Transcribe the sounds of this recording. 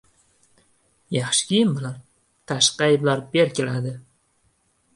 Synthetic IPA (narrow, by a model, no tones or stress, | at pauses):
jɑχʃɪ̥kʲʰijɪnbɪlan | t̪ʰaʃqɑjblaɾbe̞ɾkʲʰe̞lad̪ɪ